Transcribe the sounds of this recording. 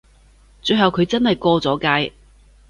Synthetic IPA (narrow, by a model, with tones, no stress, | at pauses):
t͡ʃɵ˧ɥɦɐ˨wkʰɵ˨˧ɥt͡sɐ˥nhɐ˨jkɔː˧t͡sɔː˨˥kaː˧j